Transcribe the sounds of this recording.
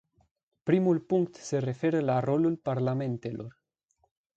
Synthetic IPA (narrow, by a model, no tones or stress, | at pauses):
pɾimulpuŋkt̪serefeɾelarolulpaɾlamẽnt̪elʔoɾ